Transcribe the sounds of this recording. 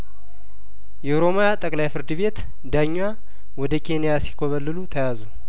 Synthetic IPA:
jɛuɾo̞mojat̪ʼəkʼlajfɨɾd̪ɨβe̞t̪ | d̪aɲːwa | wɔd̪əkʰe̞nijasi̥kʰoβəlːɨlut̪ʰəjazu

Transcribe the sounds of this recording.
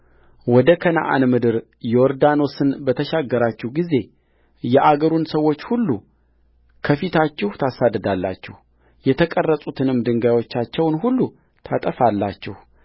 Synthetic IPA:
wɔd̪əkʰəna̰ʔa̰nmɨd̪ɨɾ | jɛwɔɾd̪ano̞sɨnbət̪ʰəʃaɡːəɾat͡ʃːɛhɡize̞ | jɛʔaɡəɾunsəwːo̞t͡ʃːhulːu | kʰəfit̪ʰat͡ʃːɪht̪ʰasad̪əd̪alːa̰t͡ʃːɪh | jɛt̪ʰəkʼərːəsʼut̪ʰɨnɨmd̪ɨŋɡajwo̞t͡ʃːat͡ʃːɛwnɦulːu | t̪ʰat̪ʼəfalːa̰t͡ʃːɛh

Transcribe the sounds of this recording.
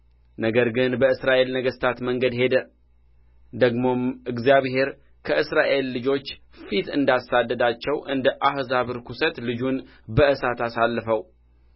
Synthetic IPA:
nəɡəɾɡɨnbəɨsɾaʔe̞lnəɡəst̪ʰat̪məŋɡəd̪he̞d̪ə | d̪əɡmo̞mɨɡzijaβɦe̞ɾ | kʰəʔɨsɾaʔe̞lːɨd͡ʒo̞t͡ʃː | fit̪ɨnd̪asad̪ːəd̪at͡ʃːɛwʔɨnd̪əʔahzaβɨɾkusət̪lɨd͡ʒun | bəʔɨsat̪asalːəfəw

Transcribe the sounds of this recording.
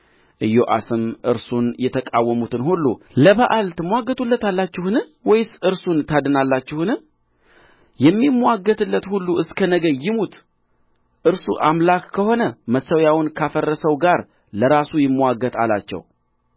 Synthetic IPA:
ʔɨjoʔa̰sɨmʔɨɾsunjɛt̪ʰəkʼawːəmut̪ʰɨnhulːu | ləβəʔalt̪ʰɨmːʷwaɡːət̪ʰulːət̪alːat͡ʃːɪhɨnɨwɔjɪsɨɾsunt̪ʰad̪ɨnalːat͡ʃːɪhɨnɨ | jɛmːimːwaɡət̪ɨlːət̪hulːuɨskʰənəɡəjːɪmut̪ | ʔɨɾsṵʔamlakːʰəho̞nəməsəwjawʊnkʰafərːəsəwɡaɾ | ləɾasujɪmːwaɡət̪ʰa̰la̰t͡ʃːɛ̰w

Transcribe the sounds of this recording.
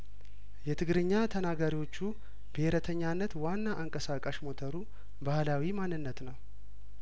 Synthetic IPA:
jɛt̪ʰɨɡɾɨɲːat̪ʰənaɡaɾiwo̞t͡ʃːu | bəheɾət̪ʰəɲːanːət̪wanːaʔːŋkʼəsakʼaʃmo̞t̪ʰəɾu | bahlawimanːɨnːət̪nəw

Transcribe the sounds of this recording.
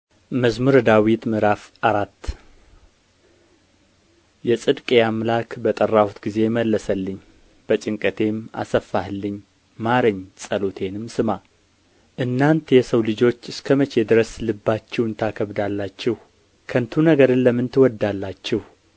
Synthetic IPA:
məzmuɾd̪awit̪mɨɾafʔaɾat̪ː | jɛsʼɨd̪kʼeamlakbət̪ʼərːahut̪ɡize̞məlːəsəlːɨɲː | b̥ət͡ʃʼɪŋkʼət̪ʰe̞ma̰səfːahlːɨɲː | maɾəɲːsʼəlot̪ʰe̞nɨmsɨma | ʔɨnːant̪ʰjɛsəwlɨd͡ʒo̞t͡ʃːɨskʰəmət͡ʃʰed̪ɨɾəslɨbːat͡ʃːɛwɨnt̪ʰakʰəβd̪alːat͡ʃːɛh | kʰənt̪ʰunəɡəɾɨnləmɨnt̪ɨwɔd̪alːat͡ʃːɛh

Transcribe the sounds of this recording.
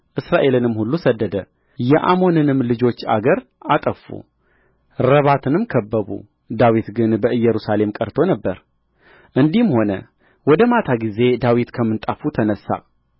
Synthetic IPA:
ʔɨsɾaʔe̞lɨnɨmːhulːusəd̪ːəd̪ə | jɛʔamo̞nɨnɨmːlɨd͡ʒo̞t͡ʃːa̰ɡəɾ | ʔat̪ʼəfṵ | ɾəβat̪ʰɨnɨmkʰəbːəβṵ | d̪awit̪ɡɨnbəɨjːɛɾusale̞mkʼəɾt̪ʰo̞nəbːəɾ | ʔɨnd̪imho̞nə̰ | wɔd̪əmat̪ʰaɡize̞d̪awit̪kʰəmːɨnt̪ʼafut̪ʰənəsːa̰

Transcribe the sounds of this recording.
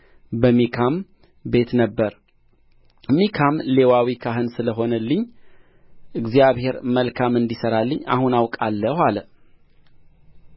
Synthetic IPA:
bəmikʰam | be̞t̪nəbːəɾ | mikʰamle̞wawikʰaɦɨnsɨləɦo̞nəlːɨɲː | ʔɨɡzijaβhe̞ɾməlkʰamɨnd̪isəɾalːɨɲːa̰hunawkʼalːəhalə

